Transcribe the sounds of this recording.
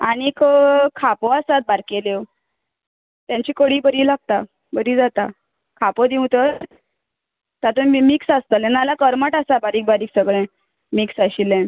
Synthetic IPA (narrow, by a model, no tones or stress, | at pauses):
aɽ̃ikkʰapoasat̪̚baɾkele | t̪jãɲt͡ɕiːkəɽiːbəɾiːlaɡ̚t̪a | bəɾiːd͡zat̪a | kʰapod̪iw̃t̪əɾ | t̪at̪umiksast̪alenalakəɾmaʈasabaɾiːk̚baɾiːksəɡɭɛ̃ | miksaɕilɛ̃